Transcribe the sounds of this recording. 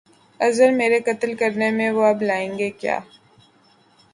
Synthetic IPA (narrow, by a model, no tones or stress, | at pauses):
ɐzəɾmeːɾekɐt̪əlkɐɾnemẽʋoɐblaːẽːŋɡekja̰ː